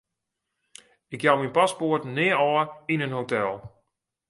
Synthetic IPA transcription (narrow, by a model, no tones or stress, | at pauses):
ɪkjawminpaspoətnɪːəɔːinənɦowtɛlˠ